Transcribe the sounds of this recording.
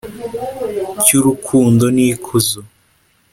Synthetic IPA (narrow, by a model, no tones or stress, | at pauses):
cuɾukʰuːndonikʰuzo